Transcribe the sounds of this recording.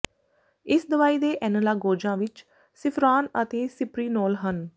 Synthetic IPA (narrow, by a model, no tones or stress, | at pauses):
ɪsd̪əʋaːiːd̪eːʔɛːnəlaːɡoːd͡ʒãːʋɪt͡ʃ | sɪpʰɾaːnət̪eːsɪpɾiːnɔːlɦən